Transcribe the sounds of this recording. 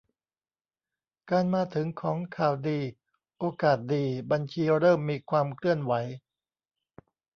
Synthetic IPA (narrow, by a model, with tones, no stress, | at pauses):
kaː˧nmaː˧t̪ʰɯ˩˦ŋkʰɔː˩˦ŋkʰaː˨˩wdiː˧ | ʔoː˧kaː˨˩t̪̚diː˧ba˧nt͡ɕʰiː˧ɾɤː˥˩mːiː˧kʰwaː˧mkʰlɯ˥˩ənwa˩˦j